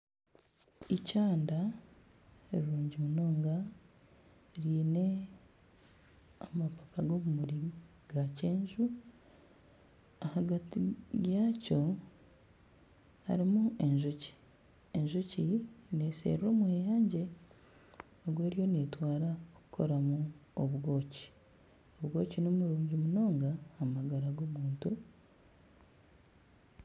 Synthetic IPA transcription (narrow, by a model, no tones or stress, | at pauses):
icaːnda | eɾiɾuːɲɟimuno̞ːŋɡa | ɾiːne̞ | amapakaɡo̞ːβumuɾi | ɡ̥aceːɲʒu | ahaɡatijaːco̞ | a̰ɾimue̞ɲʒoci̥ | eɲʒocine̞sḛrːo̞ːmwe̞ːjaːɲɟe̞ | oɡwe̞ːɾjo̞ne̞ːtwaːɾaoku̥kʰo̞ɾamuoβuɡo̞ːci̥ | oβuɡo̞ːcinomuɾuːɲɟimuno̞ːŋɡaːmaɡaɾaɡoβuːntu